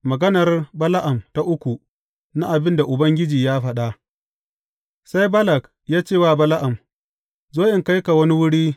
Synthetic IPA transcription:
mɐ˨ɡɐ˦nɐ˨rbɐ˦la˦ʔa˨mta˦ʔʊ˦kʷu˨ | na˦ʔa˨bɪ˦nda˨ʔʊ˨bɐ˦ŋɡʲɪ˦d͡ʒiː˨jaː˦ɸɐ˦ɗa˦ʔ | sa˦jbɐ˦lɐ˨k | jaː˦t͡ʃeː˦˨waː˦˨bɐ˦la˦ʔa˨m | zoː˦ʔɪ˨ŋka˦jka˨wɐ˦ni˦wʊ˦ɽiː˦

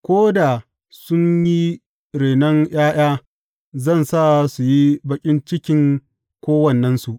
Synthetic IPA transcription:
kʷoː˦da˨ | sʊ˦ɲji˦ | ɾeː˨nɐ˦ŋj̰aː˦j̰aː˦ | zɐ˦˨nsa˦˨su˨ji˦bɐ˨kʲʼɪ˦nt͡ʃɪ˦kʲɪ˨˦ŋ | kʷoː˦wɐ˨nːɐ˦nsu˨ʔ

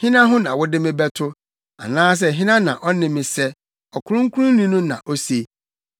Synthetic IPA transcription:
hɪ̃˦nã˦ɦʊ̃˦nã˨wʊ˦dɪ˦mɪ̃˦bɛ˦tʰʊ˦ | a̰˨nãː˦s̬ɛ˦˨ɦɪ̃˦nã˦nã̰˨ʔɔ˦nɪ̃˦mɪ̃˨sɛ˦ | ɔ˨kʰʊ˦ɾʊ̃˦ŋ̩˦kʰʷu˦ɾʊ̃˦n˦nĩ˦nʊ̃˦nã̰˨ʔo˦se˨

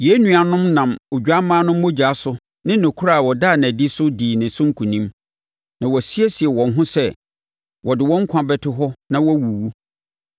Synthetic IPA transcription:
je˦nũ˨a˨nʊ̃˦mnã˨mo˨d͡ʑᶣa˦mãː˦nʊ̃˦mː˦o˦d͡ʑa˦sʊ˦ | nɪ̃˦nɔ̃˨kʰu˦ɾa˦˨wɔ˨daː˦˨nã˨di˦sʊ˦diː˨nɪ̃˨sʊ̃˦ŋ̩˦kʰũ˨nĩ˦m | nã˨wɔ˨si˦ɛ˦si˨ɛ˨wɔ̃˨nɦʊ̃˦sɛ˦ | wɔ˨dɪ˨wɔ̃˦ŋ̩˦kʰʷã˨bɛ˨tʰɪ˦ɦɔ˦nã˨wɔ˦wu˨wu˦

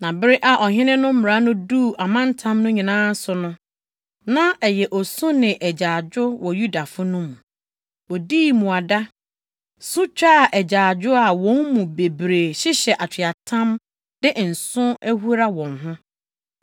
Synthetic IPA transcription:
nã˨bɪ˦ɾɪ˦ʔa˨ʔɔ˨ɦɪ̃˦nɪ̃˦nʊ̃˦m̩˦m˨ɾa˨˦nʊ̃˦du˦˨ʔa˨mã˦n˦tʰã˦mnʊ̃˦ɲĩ˨nãː˦n̩˦sʊ˨nʊ̃˦ | nã˦ɛ˨jɛ˨ʔɔ˨sʊ̃˦nɪ̃˨ʔɛ˨d͡ʑaː˨d͡ʑʊ˦wɔ˨ju˦da˨fʊ˦nʊ̃˦m̃˨ | wɔ˨diː˦mũ˨a˨da˦ | sʊ̃˦t͡ɕᶣa˦˨ʔɛ˨d͡ʑaː˨d͡ʑᶣʊ˦a˨wɔ̃˦nmũ˨be˨bɾe˨ɕɪ˦ɕɛ˨ʔa˨t͡ɕʰᶣɪ˨a˨tʰã˦m | d̥ɪ˦ʔn̩˨sʊ̃˦æ˦hu˦ɾa˦wɔ̃˨ŋɦʊ̃˦

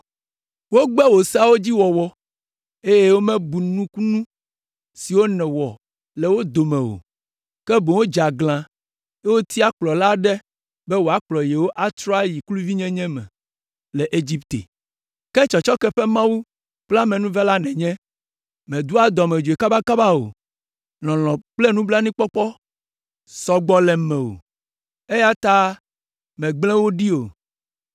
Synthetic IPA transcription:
wo˦ɡ͡bɛ˦wo˨sa˦wo˦d͡ʑi˦wɔ˨wɔ˦ | e˦je˦wo˦mɛ̃˦bu˨nũ˦ku˦nũ˦ | si˨wo˦nɛ̃˨wɔ˨ | lɛ˨wo˦d̪o˨mɛ̃˨wo̰˨ | kɛ˦bõ˨wo˦d͡ʒa˨ɡlã˨ | e˦wo˦t̪ʰi˦a˦k͡plɔ˨la˦ɖɛ˦ | bɛ˦wo˨a˨k͡plɔ˨jɛ˨wo˦ʔa˦t̪ɾɔ˦a˦ji˨klu˦vi˦ɲɛ̃˦ɲɛ̃˦mɛ̰̃˨ | lɛ˨ʔe˦d͡ʑi˦pt̪ḛ˨ | kɛ˦t͡ʃɔ˨t͡ʃɔ˦kɛ˦ɸɛ˦mã˦wu˦ | k͡pla˦mɛ̃˨nũ˦vɛ˦la˦nɛ̃˨ɲɛ̃˦ | mɛ̃˨d̪u˦a˨d̪ɔ˨mɛ̃˨d͡ʒo˨e˨ka˦ba˦ka˦ba˦o̰˨ | lɔ̃˨lɔ̃˨k͡plɛ˦nũ˦bla˦nĩ˦k͡pɔ˦k͡pɔ˦ | sɔ˦ɡ͡bɔ˦lɛ˨mɛ̃˨wo̰˨ | e˦ja˦t̪a˦ | mɛ̃˨ɡ͡blɛ̃˦wo˦ɖi˦o˨

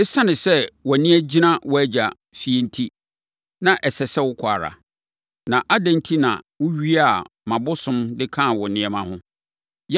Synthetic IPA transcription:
ɪ˦sa˦nɪ̃˨sɛ˦wɔ˨nɪ̃˦ɛ˦d͡ʑi˦nã˦wɔ˦æ˦d͡ʑa˨ | fi˨ɛ˨n̩˦tʰi˦ | nã˨ʔɛ˨sɛ˨sɛ˦wʊ˦kʷʰʊ˨a̰˨ɾa̰˨ | nã˨ʔa˦dã˨n̩˦tʰi˦nã̰˨wʊ˦ɥi˦a˦˨mã˨bʊ˦sʊ̃˦mdɪ˦kʰã˦˨wʊ˨nɪ̃˦ɛ˨mã˦hʊ̃˦ | j

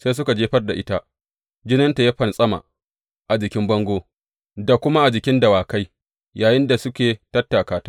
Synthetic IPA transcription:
sa˦s̬ʊ˦ka˨d͡ʒeː˦ɸɐ˦rda˨ʔɪ˦ta˦ʔ | d͡ʒɪ˦nɐ˦nta˨ja˦ɸɐ˨nsʼɐ˦ma̰ː˨ | ʔa˨d͡ʒɪ˨kʲɪ˦mbɐ˦ŋɡʷoː˦ | da˨kʷʊ˦ma˦ʔa˨d͡ʒɪ˨kʲɪ˦ndɐ˨waː˨ka˦j | jaː˨jɪ˦nda˨sʊ˦kʲeː˨tɐ˦tːa˨kaː˨tḁ˦

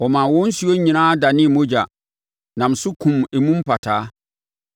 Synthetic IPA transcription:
ɔ˨mãː˨wɔ̃˦n˦su˨o˦ɲĩ˨nãː˦da˨nɪ̃˦˨mõ˦d͡ʑa˨ | nã˨m̩˨sʊ˦kʰũ˨me˨mũ˦m˦pa˨tʰaː˦

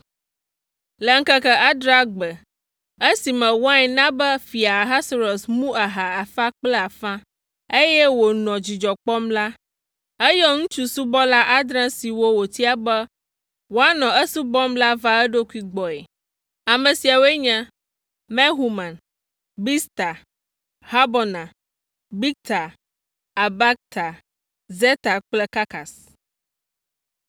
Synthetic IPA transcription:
lə˨ŋ̩˦kə˦kə˦ʔa˦d̪ɾa˦ɡ͡bə˨ | e˦si˨mɛ̃˨wa˦ɲɛ˨nã˦bɛ˦fi˨a˨ɦa˦sɾɔ˨smũ˦a˨ɦa˨a˨fa˦k͡plɛ˦a˨fã˦ | e˦jɛ˦wo˨nɔ̃˨d͡ʑi˨d͡ʒɔ˨k͡pɔ˦mla˦ | e˦jɔ˦ŋũ˦t͡ʃu˦su˦bɔ˦la˦ʔa˦d̪ɾã˦si˨wo˦wo˨t̪i˦a˨bɛ˦ | wo˦a˦nɔ̃˨ɛ˦su˦bɔ˦mla˦va˦ɛ˦ɖo˦ku˦i˦ɡ͡bɔ˨e˨ | a˨mẽ˨si˨a˨wo˦e˦ɲã˦ | mɛ˦ɦu˨mã˨n | bi˦st̪a˨ | ha˦bɔ˨nã˨ | bi˦k̚t̪a˨ | a˨ba˦k̚t̪a˨ | ze˦t̪a˨k͡plɛ˦ka˦ka˨s

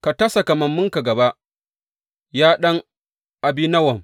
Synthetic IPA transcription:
ka˨tɐ˦sa˨ka˨mɐ˨mːʊ˦ŋka˨ɡɐ˨ba˦ʔ | jaː˦ɗɐ˦ŋ | ʔa˨bi˦nɐ˦wɐ˨m

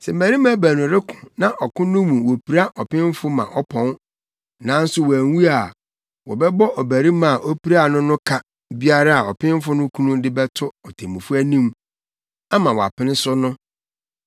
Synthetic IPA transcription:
sɛ˨mæ˨ɾi˦mã˦bæ˨nʊ̃˨ɾɪ˦kʰʊ̥̃˨nã˦ʔɔ˨kʊ̃˦nʊ̃˦mũ˨wo˨pʰi˨ɾa˦ʔɔ˨pɪ̃˦m˦fʊ˦mã̰˨ʔɔ˦pʰɔ̃˦n | nã˨˦n̩˦sʊ˦wɔ˨æ˨˦wu˦a˨ | wɔ̰˨bɛ˦bɔ˦ʔɔ˨bæ˨ɾi˦mã˦˨a˨ʔɔ˦pi˦ɾa˦a˨nʊ̃˦nʊ̃˦kʰa˦ | bi˦a˦ɾa˦a˨ɔ˨pʰɪ̃˦m˦fʊ˦nʊ̃˦kʰũ˦nũ˦dɪ˦bɛ˦tʰʊ˦ɔ˨tʰe˨mũ˨fu˦æ˦nĩ˦m | a˦mã˨wɔ˨a̰˨pʰɪ̃˦nɪ̃˦sʊ˦nʊ̃˦

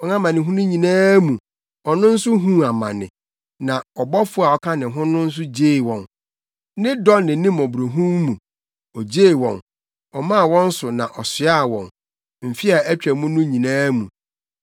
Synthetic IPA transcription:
ɔ˨nã˦mã˨nɪ̃˨ɦũ˦nʊ̃˦ɲĩ˨nãː˦mũ˨ | ɔ˨nʊ̃˦n̩˦sʊ˦ɦũ˦a˨mã̰˨nɪ̰̃˨ | nã˨ɔ˨bɔ˦fʊ˦a˨ɔ˦kʰa˦nɪ̃˨ɦʊ̃˦nʊ̃˦n̩˦s̬ʊ˦d͡ʑeː˦˨wɔ̃˨n | nɪ̃˦dɔ˦nːɪ̃˨nĩ˦mɔ˨bɾo˨ɦũ˦mmũ˨ | ɔ˨d͡ʑeː˦˨wɔ̃˨n | ɔ˨mã˦˨wɔ̃˦n̩˦sʊ˨nã̰˨ʔɔ˨sɪ˦a˦˨wɔ̃˨n | m̩˨fi˦a˨æ˦t͡ɕᶣɾæ˨mũ˦nʊ̃˦ɲĩ˨nãː˦mṵ̃˨

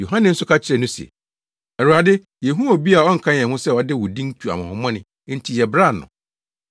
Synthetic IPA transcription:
jo˨ɦã˦nɪ̃˨n̩˦sʊ˦kʰa˦t͡ɕʰɪ˦ɾɛ˨nʊ̃˦sɛ̰˨ | ɛ˨u˨ɾa˨dɪ˦ | jɛ˨ɦũ˦o˨bi˦a˨ɔ˦ŋ̩˨kʰã˦ɲ˨ɛ̃˨hʊ̃˦sɛ˦˨ɔ˨dɪ˦wʊ˨dĩ˦n˦tʰu˨a̰˨mã˨hʊ̃˨mɔ̃˦nɪ̃˨ | n̩˨˦tʰi˨jɛ˨bɾa˦˨nʊ̰̃˨

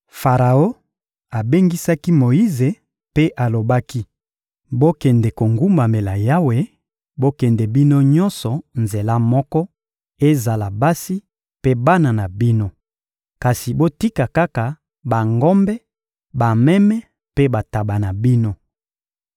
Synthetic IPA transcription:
fa˨ʁa˨o˦ | a˨be˦ŋɡi˦sa˦ki˦mo˨ji˦ze˨ | pe˦ʔa˨lo˨ba˦ki˦ | bo˦kɛ˨ndɛ˨ko˨ŋɡu˦mba˨me˨la˨ja˦we˨ | bo˦kɛ˨ndɛ˨bi˦no˦ɲɔ˦nsɔ˨nze˨la˦mɔ˦kɔ˦ | e˦za˨la˨ba˦si˦ | pe˦ba˦na˨na˨bi˦no˦ | ka˨si˨bo˦ti˦ka˨ka˦ka˨ | ba˨ŋɡɔ˦mbɛ˦ | ba˨mɛ˦mɛ˦ | pe˦ba˨ta˨ba˨na˨bi˦no˦

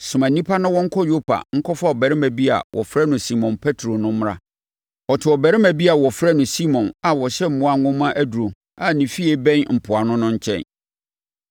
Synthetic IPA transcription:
sʊ˨mæ̃˨nĩ˦pʰa˦nʊ̃˦wɔ̃˦ŋ̩˦kʰɔ˦jo˦pʰa̰˨ŋ̩˦kʰɔ˦fa˦ɔ˨bɛ˨ɾɪ˦mæ̃˨bi˦a̰˨wʔɔ̰˨fɾɛ˦nʊ̃˨si˦mɔ̃˨npʰɛ˦tʰɾo˨nʊ̃˦m˦ɾã̰˦ | ɔ˨tʰɪ˨ɔ˨bæ˨ɾɪ̃˦mæ̃˨bi˦a˨wɔ˨fɾɛ˦nʊ̃˨si˦mɔ̃˨na˨wɔ˨ɕɛ˦m̩˦mʊ̃˨˦a˦˨ŋʊ̃˦mã˦ʔæ˦du˨ɾo˨ | a˨nĩ˨fi˦e˦bɛ̃˦nm̩˨pʰʊ˨a˨nʊ̃˦nʊ̃˦ɲ̩˦t͡ɕʰɛ̰̃˦˨n

